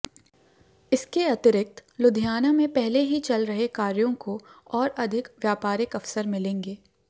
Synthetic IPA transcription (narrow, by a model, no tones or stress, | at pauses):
ɪskeɐt̪ɪɾɪk̚t̪lʊd̪ʱijaːnamẽpɛɦleɦit͡ʃɐlɾɐɦekaːɾjõkoɔːɾɐd̪ʱɪkʋjaːpaːɾɪkɐfsəɾmɪlẽːŋɡeː